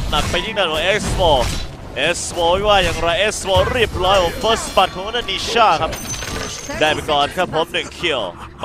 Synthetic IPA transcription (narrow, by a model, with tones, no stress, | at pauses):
na˨˩k̚pa˧jtʰi˥˩ŋaː˧nwɔ˨˧˦ʔe˦˥k̚sfɔː˧˩ | ʔe˦˥swoː˧˩wi˦˥˩waː˥˩jaː˨˩ŋɾa˧jʔe˦˥swoː˧˩ɾi˥˩əp̚ɾɔː˦˥jo˨˧˦ŋfəː˦˥spa˨˩t̪̚kʰɔ˨˦ŋka˥naː˥˩nːiː˧ɕaː˥˩kʰa˦˥p̚ | daː˧˩jpe˧nkɔː˨˩nkʰa˦˥pʰːo˨˩˦mnɯ˨˩ŋkʰi˧˩əw